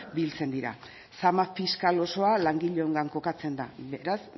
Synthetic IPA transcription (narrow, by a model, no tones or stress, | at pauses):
bilt͡se̞nd̪iɾa̰ | samafiskalo̞so̞alaŋɡiʎeoŋɡaŋko̞kat͡se̞nd̪abe̞ɾas